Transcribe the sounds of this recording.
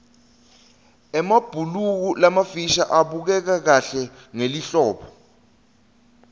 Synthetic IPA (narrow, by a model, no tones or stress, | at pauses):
ɛmab̥ʱuluk̬ulamafiʃa̰ʔaɓuk̬ɛk̬ak̬aɬɛ | ŋeliɬɔːɓɔ